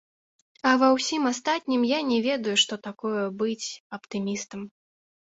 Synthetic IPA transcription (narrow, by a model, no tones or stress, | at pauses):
ɐvɐwsʲimast̪at̪ʲnʲimjanʲɛvʲɛd̪ujuʂt̪ɔt̪akɔjɐbɨt͡sʲɐpt̪ɨmʲist̪ɐm